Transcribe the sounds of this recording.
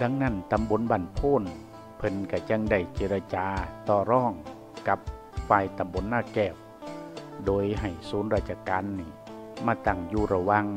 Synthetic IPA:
da˧ŋna˧˥˨nt̪a˧˨mbo˧˥˨nbaː˧˩˨npʰoː˧˥˨n | pʰɤ˧nka˧˩t͡ɕa˧˨ŋda˧˩jt͡ɕe˧˥ɾa˧t͡ɕaː˧t̪ɔː˧˩ɾɔː˧˥˩ŋ | ka˧˦p̚ | faː˧˩jt̪a˧˨mbo˧˥˨nːaː˧˩t̚kɛː˧˩w̚ | doː˧jɦa˨˩jsuː˨˦nɾaː˧˩t̪̚t͡ɕa˧kaː˧nːiː˧˩ | maː˧˩t̪a˧˩ŋjuː˧˩ɾa˧wa˧ŋ

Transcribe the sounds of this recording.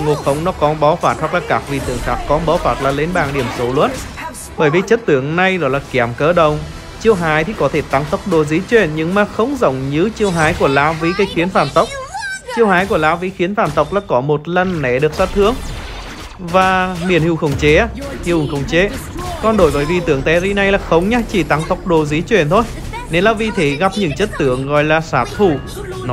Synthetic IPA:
ŋo˨˩t̚xə˨˦wŋ͡mnɔ˨˦kɔ˨˦nɓɔ˨˦faː˧˩t̚hwa˨˩k̚laː˨˩kaː˦˥k̚vḭ˨˩t̪ɨ˧˩əŋxaː˦˥kːɔ˨˦nɓɔ˨˦wfaː˧˩t̚laː˨˩le˨˦nɓaː˨˩ŋɗi˧˩əmso˨˦lwə̰˧˥t̚ | ɓəː˧˩jvi˨˩t͡ɕə˦˥t̚t̪ɨ˧˩əŋna˨˧˩jzɔ˨˦jlaː˨˩kɛ˧˩mkəː˧ɗə˨wŋ͡m | t͡ɕi˧əwɦaː˨˦jt̪ʰi˨˩kɔ˨˦t̪ʰe˧˩t̪a˨˦ŋt̪ə˦˥wk͡p̚ɗo˧˩j̚zi˨˦t͡ɕwɛ˧˩nɲɨ˧ŋmaː˨˩xə˧wŋ͡mzə̰˧˨wŋ͡mɲɨ˨˧˦t͡ɕi˧əwɦaː˨˦jku˧˩əlaː˨˦wvi˨˦kaː˨˦jxi˨˦ənfaː˧˩nt̪ə˦˥wk͡p̚t͡ɕi˧əwɦaː˨˦jku˧˩əlaː˨˦wvi˨˦xi˨˦ənfaː˧˩nt̪ə˨˦˥wk͡p̚laː˨˩kɔ˨˦mo˨˩t̚lə˧nːɛ̰˧˩ɗɨ˨˩ək̚sa˦˥t̚t̪ʰɨ˨˦əŋ | vaː˨˩ɓi˧˩ənhi˧˩wxə˧˩wŋ͡mt͡ɕe˨˦a˧˦hi˧˨ʔʊ˨˩ŋxə˨˧˩wŋ͡mt͡ɕe˨˦kɔ˨˩nɗo˧˩jvəː˨˦jvi˧˩t̪ɨ˨˧˩əŋt̪ɛ˨˦zi˧na˨˩jlaː˨˩xə˨˦wŋ͡mɲaː˧t͡ɕi˧˩t̪a˨˦ŋt̪ə˦˥wk͡p̚ɗo˧zɨ˨˦t͡ɕwḛ˧˩ənt̪ʰo˧j | ne˨˧˦nlaː˧wvi˧t̪ʰe˨˦ɣa˨˧˩p̚ɲɨ̰˧˨ŋt͡ɕə˦˥t̚t̪ɨ˧˩˨əŋɣɔ̰˧˨jlaː˨˩saː˨˩t̪ʰu˧˩ | nɔ˨˦

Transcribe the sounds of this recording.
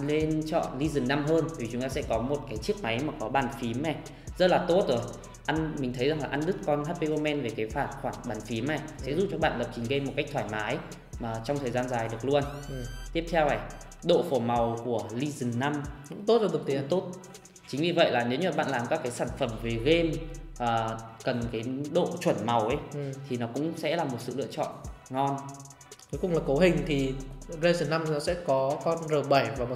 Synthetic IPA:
le˧nt͡ɕɔ̰˧˨nli˧zɨ˨˩ŋnːa˧mɦəː˧n˨˩˨i˨˩t͡ɕʊ˨˦ŋ͡mt̪aː˧sɛ̰˧˥kɔ˨˦mo˨˩t̚kaː˨˦jt͡ɕɨ˦˥ək̚ma˨˦jmaː˨˩kɔ˨˦ɓaː˧˩nfi˨˦mɛ˨˩ | zə˦˥t̚laː˨˩t̪o˦˥t̚zo˨˩j | ʔa˧nmï˨˩t̪ʰə˨˦jza˨˩ŋlaː˨˩ʔa˧nɗɨ˦˥kːɔ˧nhaː˦˥p̚pe˧ʔo˧mɛ˧nve˨˩kaː˨˦jfaː˧˩t̚xwaː˧˩ŋɓaː˨˩nfi˨˦mna˨˩sɛ̰˧˥zṵ˨˩t͡ɕɔ˧ɓa̰ː˧˨nɣə˨˩p̚t͡ɕï˨˩ŋɣə˧mo˨˩t̚ka˦˥k̚t̪ʰwaː˧˩jmaː˨˦j | maː˨˩t͡ɕɔ˧wŋ͡mt̪ʰəː˨˩jzaː˧nzaː˨˩jɗɨ˨˩ək̚lu˧ənt̪i˦˥əpt̪ʰɛ˧wna˨˩j | ɗo̰˧˨fo˧˩ma˨˩wku˧˩əli˧zɨ˨˩nːa˧mkʊ̰˧˥ŋ͡mt̪o˦˥t̚za˧t̪w̚t̪i˨˦t̪o˦˥t̚ | t͡ɕï˨˦ŋ̟vi˨˩və̰˧˨jlaː˨˩ne˨˦wɲɨ˧˩ɓa̰ː˧˨nlaː˨˩mkaː˦˥kːaː˨˦jsaː˧˩nfə˧˩mve˨˩ɣe˧mʔəː˨˩kə˨˩nkaː˨˦jɗo̰˧˨t͡ɕwə˧˩nma˨˩wʔə˨˦jt̪ʰi˨˩nɔ˨˦kʊ̰˧˥ŋ͡msɛ̰˧˥laː˨˩mo˨˩t̚sɨ̰˧˨lɨ̰˧˨ət͡ɕɔ̰˧˨nŋɔ˧n | kə˨˦jkʊ̰˧˨ŋ͡mlaː˨˩kə˨˦wɦï˨˩ŋ̟t̪ʰi˨˩ɣe˧zɨ˨˩nːa˧mnɔ˨˦sɛ̰˧˥kɔ˨˦kɔ˧nzəː˨˩ɓa˧˩jvaː˨˩m˨˩

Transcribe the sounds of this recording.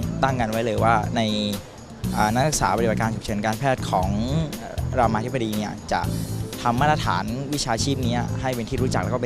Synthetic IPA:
t̪a˥˩ŋka˧nwa˦˥jlɤː˧jwaː˥˩na˧j | ʔaː˨˩na˦˥a˦˥sa̰ː˩˦pa˧i˧ba˨˩t̚kaː˧nt͡ɕʰu˨˩p̚ʰɤ˩˦nkaː˧npʰɛː˥˩t̪̚kʰɔː˩˦ŋ | ɾa˧mːaː˧t̪̚ʰba˧diː˧ni˥˩ɐt͡ɕa̰˨˩ʔt̪ʰa˧mːaː˥˩t̪ɾa˧t̪ʰa̰ː˩˦nwi˦˥t͡ɕʰaː˧t͡ɕʰiː˥˩p̚niː˦˥ɦa˥˩jpe˧nt̪ʰiː˥˩ɾuː˦˥t͡ɕa˨˩k̚lɛ˦˥kːɔ˥˨

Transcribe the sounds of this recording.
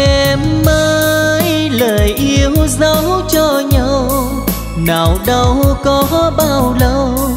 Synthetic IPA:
ɛ˧mməː˧jləː˨˩jʔi˧əwzə˧˦wt͡ɕɔ˧ɲə˧w | naː˨˩wɗə˧wkɔ˨˦ɓaː˧˩wlə˧w

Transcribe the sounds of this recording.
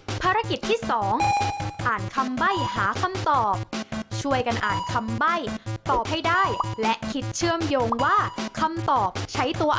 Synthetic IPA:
pʰaː˧ɾa˧ki˨˩t̪ʰːiː˥˩sɔː˩˦ŋʔaː˨˩nkʰa˧mba˥˩jhaː˩˦kʰa˧mt̪ɔː˨˩p̚t͡ɕʰu˥˩əjka˧nʔaː˨˩nkʰa˧mba˥˩jt̪ɔː˨˩p̚ha˥˩jdaː˥˩jlɛ˦˥ʔkʰi˦˥t̪̚t͡ɕʰɯ˥˩əmjoː˧ŋwaː˥˩kʰa˧mt̪ɔː˨˩p̚t͡ɕʰa˦˥jt̪u˧ɐ

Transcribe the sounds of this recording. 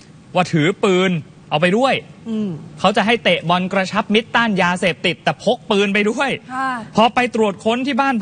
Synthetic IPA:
waː˥˩t̪ʰɯː˩˦pɯː˧n | ʔa˧wp̬a˧jdu˥˩əj | kʰa˦˥wt͡ɕa˨˩ʔɦa˥˩jt̪e˨˩ʔbɔ˧nkɾa˧t͡ɕʰa˦˥p̚mi˦˥t̪ːaː˥˩njaː˧seː˨˩p̚t̪i˨˩t̪ːɛː˨˩pʰo˦˥k̚pɯː˧np̬a˧jdu˥˩əjpʰɔ˧pa˧jt̪ɾu˨˩ət̪̚kʰo˧nt̪ʰiː˥˩baː˥˩npʰ

